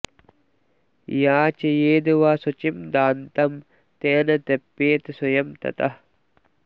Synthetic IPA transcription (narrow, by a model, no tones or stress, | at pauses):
jaːt͡ʃɐjeːd̪uʋaːsut͡ʃimd̪aːnt̪ɐm | t̪eːnɐt̪epːeːt̪sujɐmt̪ɐ̰t̪ɐh